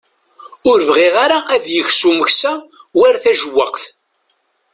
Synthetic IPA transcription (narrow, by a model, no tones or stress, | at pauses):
ʊɾvʁiʁaɾaʔæðjəçsuməçsæwæɾθæʒəwːəqθ